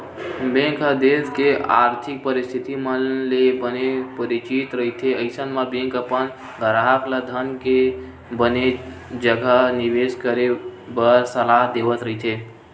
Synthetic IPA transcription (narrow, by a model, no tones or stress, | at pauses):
bẽkɦəd̪ed̪kea̰ɾt̪ʰik̚pəɾist̪ʰit̪iməlebənepəɾit͡ʃit̪ɾəɦit̪ʰeəɪsənmãbẽŋkəpən | ɡʱəɾaɦakləd̪ʱənke | bəne | d͡ʒəɡʱəniʋeskəɾebəɾsəlaɦd̪eʋət̪ɾəɦit̪ʰe